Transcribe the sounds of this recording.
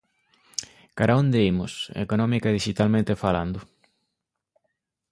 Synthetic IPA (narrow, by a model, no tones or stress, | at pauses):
kaɾaond̪eimʊ̰sḛkonɔmikaeðiʃit̪almẽnt̪efala̰nd̪ʊ